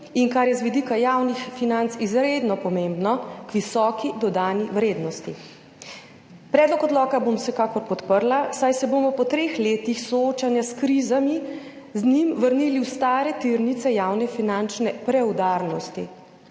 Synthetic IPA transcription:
iŋkaɾjɛzʋid̪ikajawnixfinant̪sizɾeːd̪nɔpɔmembnɔkʋisɔːkid̪ɔd̪aːniwɾeːd̪nɔst̪i | pɾɛːd̪lɔkɔd̪lɔːkabomwsɛkaːkɔɾpɔt̪pəɾlasajsɛboːmɔpɔt̪ɾeːxleːt̪ixsɔoːt͡ʃanjaskɾizami | znimʋəɾniːliwst̪aːɾɛt̪iɾnit̪sɛjawnɛfinant͡ʃnɛpɾɛwd̪aɾnɔst̪ḭ

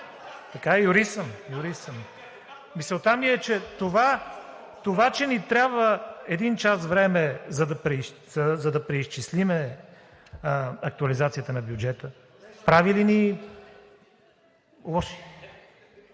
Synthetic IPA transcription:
t̪ɐkaɛjuɾisəmjʊɾisəm | misəlˠt̪amiɛt͡ʃɛt̪ova | t̪ovat͡ʃɛnit̪ɾʲabvəɛd̪int͡ʃasvɾɛmɛzɐd̪ɐpɾɛzɐzɐd̪ɐpɾɛist͡ʃislimɛ | ɐk̚t̪uɐlizat̪sijət̪ənɐbjud͡ʒɛt̪ə | pɾavilini | lˠɔʃ

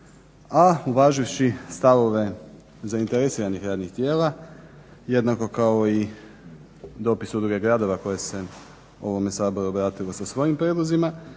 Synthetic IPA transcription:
auʋaːʒiʋʃist̪aʋo̞ʋe̞ | zaint̪eɾesiːɾanixɾaːd̪nixt̪jeːla | je̞d̪nako̞kao̞i | d̪o̞pisud̪ɾuɡeɡɾaːd̪o̞ʋako̞je̞se̞ | o̞̰ʋo̞me̞saːbo̞ɾuobɾaːt̪ilo̞sasʋo̞jimpɾed̪lˠozima

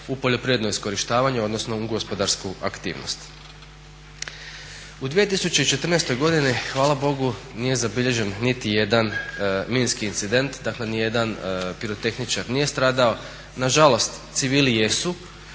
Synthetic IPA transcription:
upo̞ʎo̞pɾiɾʋed̪noisko̞ɾiʃt̪aːʋaɲuo̞d̪nosno̞uɡospo̞d̪aɾskuʔa̰kt̪ḭːʋno̰st̪ | ud̪ʋije̞t̪̬isut͡ɕe̞it͡ʃe̞t̪ɾrnest̪o̞jɡo̞d̪inixʋaːlabo̞ɡunije̞zabiʎe̞ʒe̞nːit̪ije̞d̪anminskiːnt̪sid̪e̞nt̪d̪akle̞nije̞d̪anpiɾot̪e̞xnit͡ʃaɾnijest̪ɾaːd̪ao̞ | naʒalˠo̞st̪t̪siʋiːlije̞su

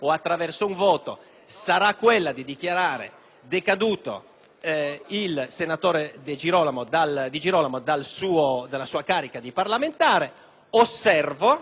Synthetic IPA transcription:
ɔat̪ːɾavɛrsouɱvɔːt̪o̰ | saɾakːwɛlːad̪id̪ik̟jaɾaːɾḛ | d̪ekad̪uːt̪o̰ | ilsenat̪ɔːɾed̪ed͡ʒiɾɔːlamod̪ald̪id͡ʒiɾɔːlamod̪alsuːod̪alːasuːakaːɾikad̪iparlament̪aːɾe | osːɛrvo

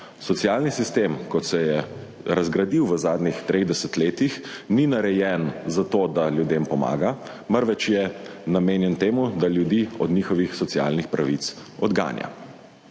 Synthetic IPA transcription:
sɔtsijaːlnisist̪emkɔt̪sɛjɛ | ɾazɡɾad̪iwʋəzaːd̪nʲixt̪ɾʔeɣd̪ɛsət̪leːt̪ixninaɾɛjɛnzat̪od̪aljud̪empɔma̰ːɡa | məɾʋɛt͡ʃjɛnameːnjɛnt̪eːmud̪aljud̪iɔ̰d̪niːxɔʋixsɔt̪sia̰lnixpɾaʋit̪sɔd̪ɡa̰ːnja̰

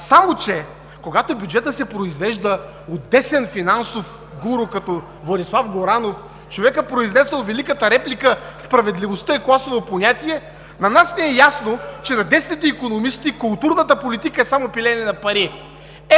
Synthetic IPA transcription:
samot͡ʃɛ | koɡat̪obʲjud͡ʒɛt̪əsɛpɾoizvɛʒd̪ə | od̪ːɛsɛnfinansof | ɡuɾokɐt̪ɔ | vlˠɐd̪ʲislˠafɡoɾanof | t͡ʃovɛkəpɾoiznɛsəlˠvɛlikət̪əɾɛplikəspɾɐvɛd̪livost̪əiklˠasovoponʲat̪ʲiɛ | nɐnasnɛɛjasnot͡ʃɛnɐd̪ɛsnʲit̪ɛikonomist̪ikʊlˠt̪uɾnət̪əpolit̪ikəɛsamopilʲɛnɛnɐpɐɾi | ɛ

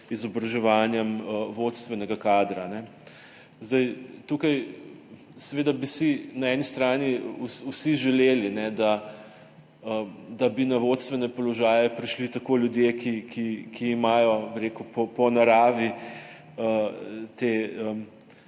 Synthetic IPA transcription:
izɔbɾɐʒɛʋaːnjɛməʋot̪st̪ʋɛnɛɡakaːd̪ɾanɛ | zd̪ɐjt̪ukaj | sɛʋeːd̪abisinaɛnist̪ɾaːniususiʒɛleːlinɛd̪a | əd̪ɐbinɐʋot̪st̪ʋɛnɛpɔlɔʒaːjɛpɾiʃlit̪ɐkoljud̪jekikʰikʰiːmajɔbiɾekupɔpɔnaɾaːʋi | ət̪eəm

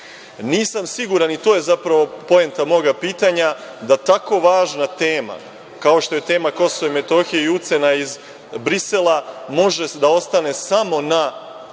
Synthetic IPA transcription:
niːsamsiɡuɾanit̪o̞ːje̞zapɾaʋo̞po̞e̞nt̪amo̞ɡapiːt̪aɲad̪at̪ako̞ʋaːʒnat̪e̞ːma̰ | kaoʃt̪o̞je̞t̪e̞ːmako̞so̞ʋeme̞t̪o̞xijeiut̪se̞naiz | bɾise̞lˠamo̞ʒe̞d̪ao̞st̪ane̞samo̞na

